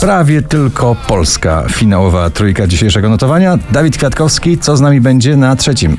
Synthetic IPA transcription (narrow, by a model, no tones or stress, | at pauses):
pɾavʲjɛt̪ɘlkʰɔpɔlska̰fʲinawɔvat̪ɾujkad͡ʑiɕejʂɛɡɔnɔt̪ɔvaɲad̪avʲit̪̚kfʲjat̪kɔfskʲit̪sɔznamʲibɛɲd͡ʑɛnat̪ʂɛt͡ɕim